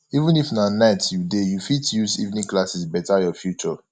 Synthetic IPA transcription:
ivũnifnanaɪtjudejufitjuzḭvnĩklasisbɛtajɔfjut͡ʃɔ

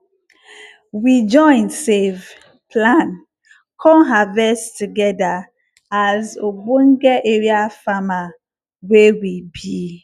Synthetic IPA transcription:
wid͡ʒɔ̃ɪ̃nsev | pʰlãn | kʰɔ̃ɦavɛstuɡɛda | azobõŋɡɛʔeɹiafama | wewibi

